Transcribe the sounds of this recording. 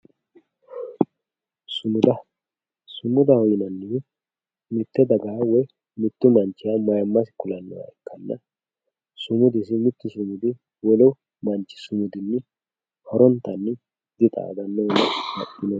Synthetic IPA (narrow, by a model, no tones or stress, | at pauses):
sʊmʊd̪ɐ | sʊmʊd̪ɐhɔjɪnɐnːɪ | mɪt̪ːɛd̪ɐɡawɔj | mɪt̪ːʊmɐnt͡ʃːɪjamɐjɐmːɐsɪ̥kʊlɐnːɐ̰wa̰ɛkːɐnːɐ̰ | sʊmʊd̪ɪsɪmɪt̪ːʊsʊmʊd̪ɪ | wɔlɔ | mɐnt͡ʃːɪ̥sʊmʊd̪ɪnːɛ | hɔɾɔnt̪ːɐnːɪ | d̪ɪt̪ʼa̰d̪ɐnːɐnɐhɐʔɪnɔ